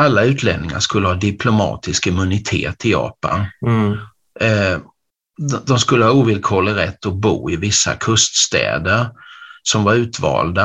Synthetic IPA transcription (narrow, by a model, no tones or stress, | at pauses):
alːaʉ̟ːt̪ʰlɛnnɪŋa̰ʂkɵlːəhɑːd̪ɪpʰlʊmɑ̰ːt̪ɪskɪmɵnɪt̪ʰḛːt̪ʰɪjɑ̰ːpa̰n | d̪ɔmskɵlːəhɑuːvɪlkʰɔlːəɾɛt̪ːɔbuːɪvɪsːa̰kʰɵst̪st̪ɛ̰ːd̪əɾsɔmvaɾʉ̟ːt̪vɑ̰ːld̪a